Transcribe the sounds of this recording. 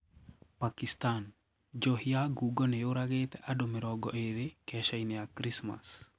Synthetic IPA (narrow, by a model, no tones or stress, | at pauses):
pakist̪an | d͡ʒohiaɡuɡɔnejoɾaɡet̪ɛʔadomiɾɔɡɔʔeɾɪkɛʃajneakɾisma̰s